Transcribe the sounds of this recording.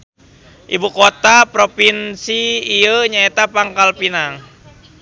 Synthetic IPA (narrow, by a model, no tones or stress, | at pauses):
ʔibukot̪apɾopinsiːəɲaet̪apaŋkalpinaŋ